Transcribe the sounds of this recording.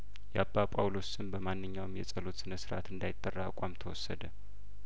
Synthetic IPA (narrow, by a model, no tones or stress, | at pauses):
jabːapʼawlo̞sɨnbəmanːɨɲːawmjɛsʼəlot̪sɨnəsɨɾʔa̰t̪ɨnd̪ajɪt̪ʼːərːakʼamt̪ʰəwɔsːə̰d̪ə